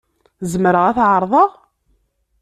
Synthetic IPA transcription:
zəmɾəʁæθʕəɾˤðˤɑʁ

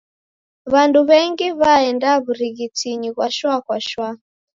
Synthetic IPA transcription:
βanduβɛŋɡiβaɛndaβuɾiɣitiɲiɣwaʃwakwaʃwa

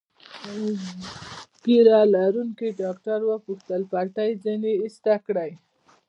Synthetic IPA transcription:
ɡ̥iɾalaɾuŋkiɖɑk̚ʈaɾwəpuxt̪əlpaʈajzineːst̪akɽəj

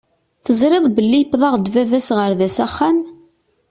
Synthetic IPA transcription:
θəzɾɪðˤbəlːijəpːðˤɑʁd̪vævæsʁəɾðæsæχːæn

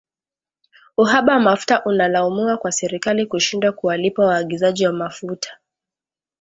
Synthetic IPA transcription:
uɦaɓawamafu̥taʔunalaumiwakwasɛɾikalikuʃindwakuwalipawaːɠizaʄiwamafutʰḁ

